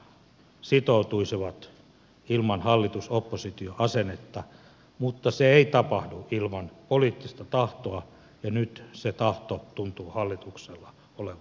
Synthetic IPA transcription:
sit̪out̪uisiʋɑt̪ | ilmɑnhɑlːit̪usopːosit̪ioɑsenet̪ːɑ | mut̪ːɑseeit̪ɑpɑhduilmɑnpoliːt̪ːist̪ɑt̪ɑht̪oɑ | jɑnyt̪set̪ɑht̪ot̪unt̪uːhɑlːit̪ukselːɑ | oleʋɑ

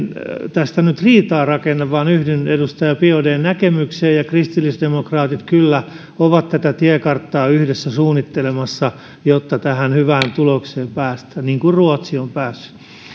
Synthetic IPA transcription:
nt̪æst̪ænyt̪riːt̪ɑːrɑkenːɑʋʋɑːnyhdinedust̪ɑjɑpiodeːnnækemykseːjjɑkrist̪ilːisdemokrɑːt̪it̪kylːæ | oʋɑt̪t̪æt̪æt̪iɛkɑrt̪ːɑːyhdesːæsuːnːit̪ːelemɑsːɑ | jot̪ːɑt̪æhænhyʋæːnt̪ulokseːmpæːst̪æniːŋkurruot̪siompæːsːy̥

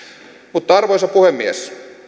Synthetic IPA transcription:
mut̪ːɑɑrʋojsɑpuhemːies

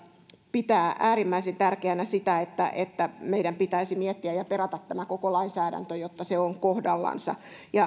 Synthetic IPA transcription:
pit̪æːʔæːɾimːæisent̪ærkeænæsit̪æet̪ːæ̰ʔet̪ːæmeiɾæmpit̪æisimiɛt̪ːiæjɑperɑt̪ɑt̪tæmækokolɑinsæːɾæ̰nt̪øjot̪ːɑseoŋkohdɑlːɑ̰nsɑ̰jɑ

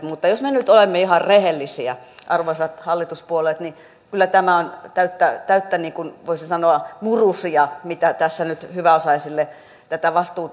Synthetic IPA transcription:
mut̪ːɑjosmenyt̪olemːeihɑrrehelːisiæʔɑrʋoisɑt̪hɑlːit̪uspuolet̪ni | kylːˑæt̪æmæont̪æyt̪ːæt̪æyt̪ːæniːŋkunʋoisinsɑnoɑmurusiɑmit̪æt̪æsːænyt̪hyʋæosɑisilːe | t̪æt̪æʋɑst̪uː

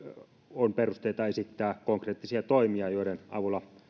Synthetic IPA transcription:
onperust̪eit̪ɑesit̪ːæːkoŋkreːt̪ːisiɑt̪oimiɑjoˑiɾenɑ̰ʋulːɑ

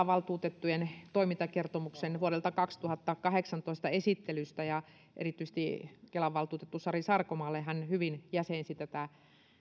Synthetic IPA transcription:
ɑʋɑlt̪uːt̪et̪ːujent̪oimint̪ɑkert̪omuksenʋuoɾelt̪ɑkɑkst̪uhɑt̪ːɑkɑheksɑnt̪oist̪ɑesit̪ːelyst̪æjɑ | ʔḛrit̪ːyis̆t̪ikelɑʋːɑlt̪uːt̪et̪ːusɑrisɑrkomɑːlːehænhyʋinjæseˑnsit̪æt̪æ

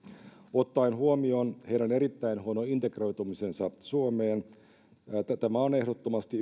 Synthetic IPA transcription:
ot̪ːɑinhuomionheiɾæoneɾit̪ːæinɦuonoint̪ekro̞jt̪umisensɑsuomeːn | t̪æt̪æmæone̞hdot̪ːomɑst̪i

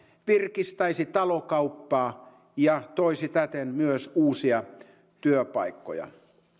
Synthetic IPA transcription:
ʋirkist̪ɑisit̪ɑlokɑupːɑː | jɑt̪oisit̪æt̪enmyøsuːsiɑ | t̪yøpɑikːo̰jɑ̰

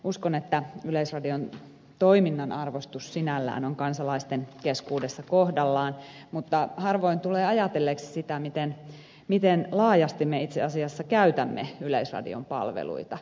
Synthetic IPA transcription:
uskonet̪ːæyleisrɑdion | t̪oiminːɑnɑrʋost̪ussinælːæ̰ːnoŋkɑnsɑlɑist̪enkeskuːdesːɑkohdɑlːɑːn | mut̪ːɑhɑrʋoint̪uleːɑjɑt̪elːeːkssit̪æmit̪en | mit̪enlɑːjɑst̪imːeit̪seɑsiɑsːɑkæyt̪æmːḛyleisrɑ̰dḭo̰mpɑ̰lʋḛlṵit̪ɑ

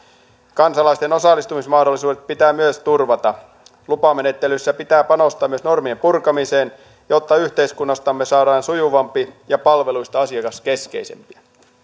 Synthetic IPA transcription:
kɑnsɑlɑist̪eno̞sɑlːˑist̪umismɑhdolːˑisuːdet̪̚pit̪æːmyøst̪urʋɑt̪ɑ | lupɑmene̞t̪ːelysːæpit̪æːpɑnost̪ɑːmyøsno̞rmiempurkɑmiseːn | jot̪ːɑyht̪eiskunːɑst̪ɑmːesɑːɾɑːnsujuʋɑmpijɑpɑlʋe̞luist̪ɑɑsiɑkɑske̞skḛisḛmpiɑ

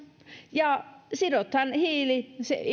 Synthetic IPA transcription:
jɑsiɾot̪hɑnhiːlisḛ

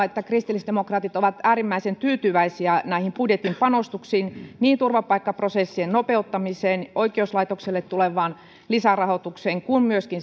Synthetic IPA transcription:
et̪ːækrist̪ilːisd̥emokrɑːt̪it̪oʋɑt̪æːɾimːæisent̪yːt̪yʋæisiænæihimpudjet̪impɑnost̪uksiːnniːnt̪urʋɑpɑikːɑprosesːiennopeut̪ːɑmiseːnʔoikˑeuslɑit̪okselːet̪tːuleʋɑːn | lisærɑhot̪ukseːŋkummyøskin

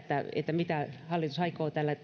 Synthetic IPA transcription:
t̪ːæḛt̪ːæmit̪æhɑlːit̪usɑikoːt̪æːlːæ

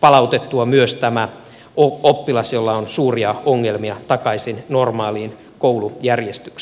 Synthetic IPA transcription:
pɑlɑut̪et̪ːuɑmyøst̪æmæ | oopːilɑsjolːɑonsuːriɑoŋːelmiɑt̪ɑkɑisinnormɑːliːn | koulujærjest̪y̥ks

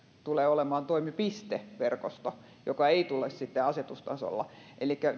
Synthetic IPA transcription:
t̪uleːolemɑːnt̪oimipist̪eʋerkost̪o | jokɑeit̪ulessit̪ːeɑset̪ust̪ɑ̰so̰lːɑ̰ʔelikːæ

